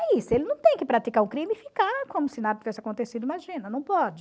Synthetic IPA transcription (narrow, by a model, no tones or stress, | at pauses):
ɛisʊelɪnɐ̃w̃t̪ẽj̃kɪpɾat̪ikaɾʊkɾĩmɪfikaɾkõmʊsɪnad̪ɐt̪ivɛsɪakõnt̪esid̪ʊimaʒĩnɐnɐ̃w̃pɔd͡ʒɪ